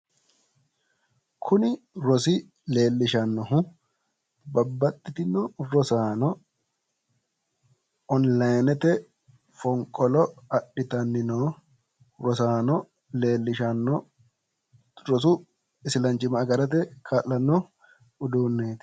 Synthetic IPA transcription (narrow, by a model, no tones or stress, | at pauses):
kʰʊnɪɾɔsɪ | le̞ːlːɪʃɐnːɔɦʊ | bɐbːɐt̪ːɪt̪ɪnɔɾɔsaːnɔ | ɔnlajnɛt̪ɛ | fɔŋkʼɔlɔɐɗɪt̪ɐnːɪno | ɾɔsaːnɔ | leːlːɪʃɐnːɔ | ɾɔs̬u | ɪsɪlɐnt͡ʃɪmɐːɡɐɾɐt̪̬ɛkʰaːlːɐnːɔ | ʊd̪uːnːeːt̪ɪ̥